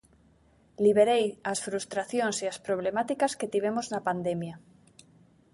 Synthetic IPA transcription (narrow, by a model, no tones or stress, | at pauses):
liβ̞eɾejasfɾust̪ɾaθjoŋsiaspɾoβlemat̪ikasket̪iβ̞emoznapand̪emja